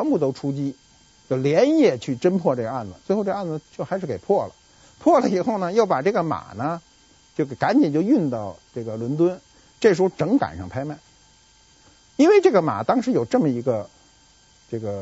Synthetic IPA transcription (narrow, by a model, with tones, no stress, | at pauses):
ɛ˧˥npu˥˩t̪o˥ʊʈ͡ʂʰu˥t͡ɕi˥ | t͡ɕjo˥˩ʊljɛ˧˥njɛ˥˩t͡ɕʰy˥˩ʈ͡ʂə˥npʰwɔ˥˧ʈ͡ʂɤ˥˩ɡə˩˧a˥˩nd͡zə˨˩t͡swxo˥˧ʊʈ͡ʂa˥˩nd͡zə˩t͡ɕjo˥˩ʊxa˧˥ʂɻ̩˥˩ke˨˩ɪpʰwɔ˥˩lə̰˩ | pʰwɔ˥˩lə˧i˨˩xo˥˩ʊnə˩jo˥˩ʊpa˨˩ʈ͡ʂɤ˥˩ɡə˩ma̰˨˩nə˦ | t͡ɕjo˥˩ʊ˩ka˧˥nt͡ɕi˨˩nt͡ɕjo˥˧ʊy˥˧nt̪ɑ˥˧ʊʈ͡ʂɤ˥˩ɡə˩lwə˧˥nt̪̬wə˥n | ʈ͡ʂɤ˥˩ʂɻ̩˧˥xo˥ʊʈ͡ʂɤ˧˥ŋka̰˨˩nʂɑ˥˧ŋpʰa˥ɪma˥˩ɪ | i˥nwe˥˧ɪʈ͡ʂɤ˥˩ɡə˩ma̰˨˩t̪ɑ˥ŋʂɻ̩˧˥jo˨˩ʊʈ͡ʂɤ˥˩mə˩i˧˥ɡə˧ | ʈ͡ʂɤ˥˩ɡə˩